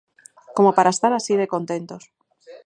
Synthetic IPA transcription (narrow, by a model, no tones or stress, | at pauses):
ko̞mo̞paɾaest̪aɾasiðe̞ko̞nt̪e̞nt̪o̞s